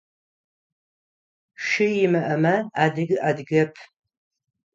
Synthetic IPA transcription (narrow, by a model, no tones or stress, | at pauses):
ʃɪjɪmɐʔɐmɐaːdɨɡʔadɡɐpʰ